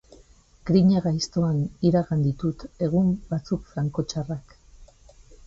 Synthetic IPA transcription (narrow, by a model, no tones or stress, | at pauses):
ɡɾiɲaɣajst̪o̞aniɾaɣand̪it̪ut̪e̞ɣ̞umbat͡sukfɾaŋko̞t͡ʃarak